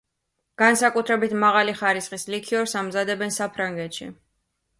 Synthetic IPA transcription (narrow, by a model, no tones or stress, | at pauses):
ɡ̥ansakʼut̪ʰɾɛbit̪ʰmaʁaliχaɾisχʼislikʰiɔɾsamzad̪ɛbɛnsapʰɾaŋɡɛt̪ʃḭ